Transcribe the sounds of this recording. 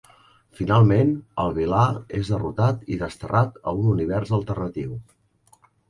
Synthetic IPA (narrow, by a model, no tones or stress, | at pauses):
finalˠmenəlˠβ̞ilaezðərut̪at̪iðəst̪ərat̪ə̰ununiβ̞ɛrzəlˠt̪ərnət̪iw